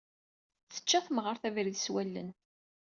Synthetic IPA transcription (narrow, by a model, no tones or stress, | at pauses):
θə̥t͡ʃːæθməʁəɾθævɾiðswælːə̰n